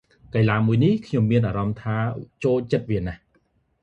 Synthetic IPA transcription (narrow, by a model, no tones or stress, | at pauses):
kajlaːmuəjnihkʰɲomːiənʔaːɾɑmt̪ʰaːt͡ɕoːlt͡ɕət̪̚ʋiənah